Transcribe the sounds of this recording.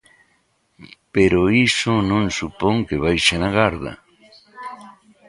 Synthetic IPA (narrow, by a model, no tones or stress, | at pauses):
peɾoisʊnõŋsupoŋkeβajʃanaɣaɾða̰